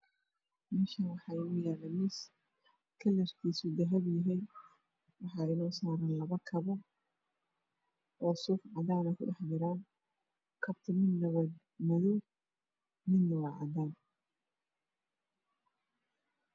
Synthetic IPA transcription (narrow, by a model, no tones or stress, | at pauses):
mɪʃɐnwɑħɑɪʊjaːlɛmɪs | kʰɐlɐrk̪ʰiːsʊd̪ɐɦɐβjɐɦin | wɑħɑːɪnɔːsaːɾɐnlɐβɐkʰɐβɔ | ʕɔsʊfʕɑðaːnɐkʰʊ̰ɖɑħd̪ɪɾaːn | kʰɐbt̪ʰɐmɪnːɐβɐ | mʊðʊ | mɪnːɐwɑʕɑ̰daːn